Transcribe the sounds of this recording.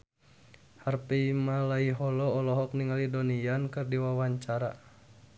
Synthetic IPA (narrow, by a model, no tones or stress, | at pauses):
harpiimalaiɦɔlɔːlɔɦɔk̚niŋalidɔnijankɨrdiwawaɲt͡ʃaɾa̰